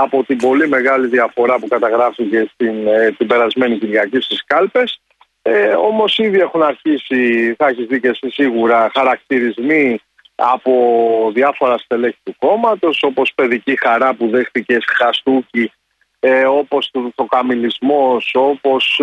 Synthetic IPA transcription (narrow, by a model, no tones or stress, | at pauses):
ɐpo̞t̪ibo̞lime̞ɣɐliðiɐfo̞ɾɐpukɐt̪ɐɣɾɐfice̞st̪int̪ibe̞ɾɐzme̞niciɾʝɐcist̪iskɐlpe̞s | eo̞mo̞siðie̞xunɐɾçisiθɐeçizðicesisiɣuɾɐxɐɾɐk̚t̪iɾizmi | ɐ̰po̞ðiɐfo̞ɾɐst̪eleçi̥t̪uko̞mɐt̪o̞so̞po̞spe̞ðicixɐɾɐpuðe̞xθice̞sxɐst̪uci | o̞po̞st̪uðθo̞kɐmilizmoso̞po̞s